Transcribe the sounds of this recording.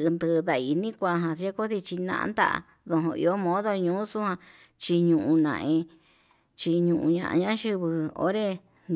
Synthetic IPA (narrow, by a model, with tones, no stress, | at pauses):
nd̪ɨ˧ða˧˨i˧nĩ˦kʷa˧ɦã˧e˦ko˦ði˧t͡ʃi˧nã̰˧ʔnd̪a̰˦ʔa̰˧ | ðo˧ɦõ˧ḭ˧o˦mõ˦ðo˧ɲũː˦su˦hã˧ | t͡ʃi˧ɲũ˧ʔũ˧nã̰˧ʔẽ˧ | t͡ʃi˧ɲũ˧˨ʔṵ̃˧ɲã̰˧ʔã̰˧ɲã˦ʃɨ˧βɨ˧o̰˦ɾe˦ | n